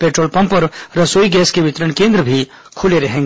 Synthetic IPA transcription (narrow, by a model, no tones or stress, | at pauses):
peːʈɾoːlpɐ̃mpɐɾɾɐsoːiɡɛːskeʋɪt̪ɾəɳ̃kẽːnd̪ɾəbʱi | kʰʊleɾɐɦẽːŋɡ